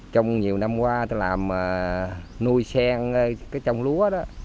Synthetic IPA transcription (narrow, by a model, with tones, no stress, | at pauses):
t͡ɕɔ˧wŋ͡mɲi˨˩əwna˧mkwaː˧t̪o˧laː˨˩mə˨˩ | nu˧jsɛ˧ŋə˧kaː˨˦jt͡ɕɔ˧wŋ͡mlu˨˦əɗɔ˨˦